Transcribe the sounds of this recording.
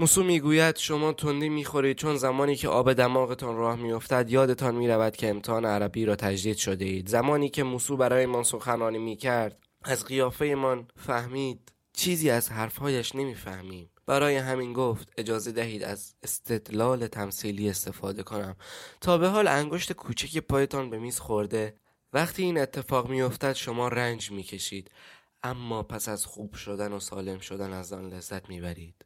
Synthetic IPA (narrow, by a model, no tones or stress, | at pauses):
muːsuːmiːɡuːjæd̪̥ʃo̞mɒːt̪ʰond̪iːmiːxo̞ɾiːd̪̚t͡ʃʰo̞nzæmɒːniːcʰeʔɒːbe̞d̪æmɒːɣe̞t̪ʰɒːnrɒːhmijo̞ft̪æd̪jɒːd̪e̞t̪ʰɒːnmiːɾævæd̪̥cʰe̞ːmt̪ʰehɒːneæɾæbiːɾɒːt̪ʰæd͡ʒd̪iːd̪̥ʃo̞d̪e̞iːd̪zæmɒːniːcʰe̞muːsuːbæɾɒːjemɒːnso̞xænɒːniːmiːcʰæɾd̪̥ | æzɣijɒːfe̞jemɒnfæhmiːd̪̥ | t͡ʃʰiːziːæzɦæɾfhɒːjæʃne̞miːfæhmiːmb̥æɾɒːje̞ɦæmiːnɡoft̪e̞d͡ʒɒːze̞d̪æɦiːd̪æ̰zest̪ʰe̞d̪lɒːle̞t̪ʰæmsiːliːe̞st̪e̞fɒːd̪e̞kʰonæmt̪ʰɒːbe̞ɦɒːlæŋɡo̞ʃt̪e̞kʰuːt͡ʃʰæce̞pʰɒːje̞t̪ʰɒːnbe̞miːzxo̞ɾd̪e̞ | væχt̪ʰiːiːne̞t̪ʰːe̞fɒːɣmijo̞ft̪æd̪̥ʃo̞mɒːɾænd͡ʒmiːcʰe̞ʃiːd̪̥ | ʔæmːɒːpʰæsæz̥xuːb̥ʃo̞d̪ænosɒːle̞mʃo̞d̪ænæzɒːnle̞zːæt̪ʰmiːbæɾiːd̪̥